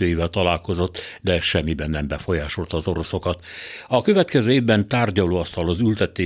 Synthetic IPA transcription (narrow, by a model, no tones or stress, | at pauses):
øːjivɛlt̪ɒlaːlko̞zo̞t̪ːd̪ɛʃɛmːibɛnːɛmbɛfo̞jaːʃolt̪ɒːzo̞ɾo̞so̞kɒt̪ɒkø̞vɛt̪kɛzøːeːvbɛnt̪aːrɟɒloːɒst̪ɒlɒzylt̪ɛt̪eː